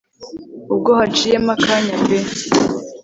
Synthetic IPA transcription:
ub̚ɡohat͡ʃijemakʰaɲabesi

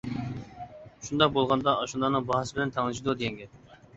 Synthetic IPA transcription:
ʃund̪ɑq̚bolˠʁɑnd̪ɑʔɑʃund̪ɑnɨŋbɑɦɑsɪbɪlɛnt̪ʰæŋlˠɨʃ̬id̪ud̪ejɛŋɡʲɛ

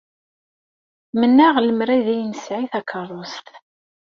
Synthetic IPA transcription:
mənːæʁləmɾæðæjənsʕiθækʰːərˤost̪

